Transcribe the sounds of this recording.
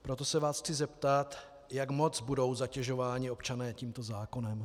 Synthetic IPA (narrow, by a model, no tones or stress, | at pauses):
pɾo̞t̪o̞sɛvaːsxt͡sɪzɛpt̪at̪ | jakmo̞t͡sbudo̞wzacɛʒo̞vaːɲɪo̞pt͡ʃanɛːciːmt̪o̞zaːko̞nɛm